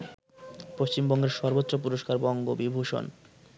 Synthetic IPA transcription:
poʃt͡ɕimbɔŋɡeɾʃɔɾbot̪ːɾop̬uɾoʃkaɾbɔŋɡobibʱuʃo̰n

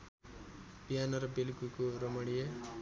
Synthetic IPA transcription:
biɦanʌɾʌbelɡukoɾʌmʌɽije

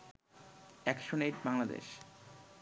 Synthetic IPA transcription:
ɛkʃoneʈbaŋlad̪ḛʃ

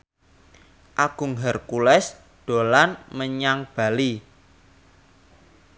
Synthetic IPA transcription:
ʔaɡ̥ʊ̤ŋɦərkulɛs | ɖ̪̥o̤lanməɲaŋb̥a̤li

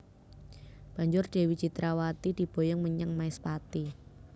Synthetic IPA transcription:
b̥a̤ɲd͡ʒʊrɖ̥e̤wit͡ʃit̪ɾawat̪id̪̥i̤b̥o̤jɔŋməɲəŋmaɪspat̪i

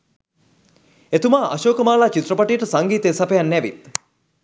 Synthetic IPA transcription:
et̪umaːʔa̰ʃoːkəmaːlaːt͡ʃit̪rəpaʈijəʈəsaŋɡiːt̪eːsapejanːɛʋḭt̪̚

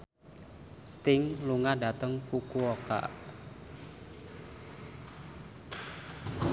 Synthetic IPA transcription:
st̪ɪŋluŋaɖa̤t̪əŋfukuoka̰

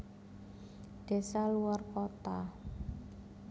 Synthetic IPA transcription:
d̪̥e̤saluwarkot̪a

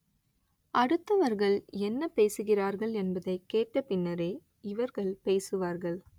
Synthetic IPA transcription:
ʔɐɽɯt̪ːɐʋɐɾɣɐɭɛnːɐpeːsɯɣɪraːɾɣɐɭɛnbɐðɐɪkːeːʈːɐpɪnːɐɾeː | ɪʋɐɾɣɐɭpeːsɯʋaːɾɣɐɭ

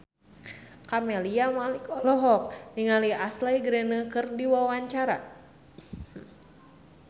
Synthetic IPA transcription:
kameliamalikɔlɔɦɔk̚niŋaliaslajɡɾenəkɨrdiwawaɲt͡ʃaɾa̰

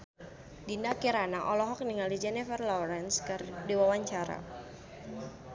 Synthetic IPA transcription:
dindakiɾanaʔɔlɔɦɔk̚niŋaldid͡ʒɛnɛfɛrlɔɾɛnskardiwawaɲt͡ʃaɾa̰

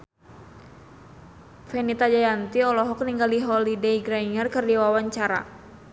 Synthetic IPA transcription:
fɛnit̪ad͡ʒajant̪iɔlɔɦɔk̚niŋɡaliɦɔlideiɡɾaiŋərkərdiwawaɲt͡ʃaɾa̰

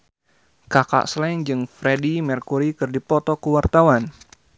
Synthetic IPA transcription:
kaka̰ʔslɛŋd͡ʒɨŋfɾedimɛrkuɾikɨrdipɔt̪ɔkəwart̪awan

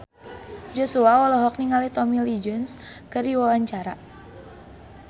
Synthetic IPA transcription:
d͡ʒɔsuawɔlɔɦɔk̚niŋalit̪ɔmilid͡ʒɔnskərdiwawaɲt͡ʃaɾa

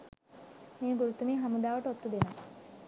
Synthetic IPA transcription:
miːɡuɾut̪umiːɦamud̪aːʋɐʈot̪ːud̪ena

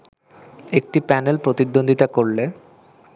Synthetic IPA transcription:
ek̚ʈipɛnelpɾot̪id̪ːond̪ʱit̪akoɾle

